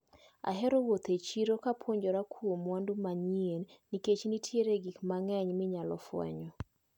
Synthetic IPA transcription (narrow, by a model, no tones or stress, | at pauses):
a̰ɦɛɾowot̪et͡ʃiɾokapʰwoɲd͡ʒoɾakʰuomwandumaɲienniket͡ʃnitʰjeɾeɡikmaŋɛɲmɪɲalɔ̰fwɛ̰ɲɔ